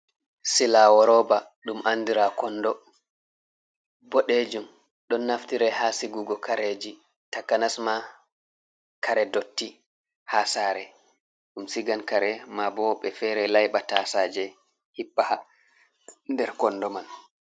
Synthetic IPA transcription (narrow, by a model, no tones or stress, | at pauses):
silawɔɾɔba | ɗumʔandiɾakɔnːdɔ | bɔɗed͡ʒum | ɗɔnːaftiɾɛhasiɡuɡɔkaɾed͡ʒi | takanasma | kʰaɾɛdotːi | hasaːɾɛ | ɗumsiɡankaɾɛmabɔɓɛfɛɾɛlajɓatasaːd͡ʒɛ | hipːaha | ndɛɾkɔndɔman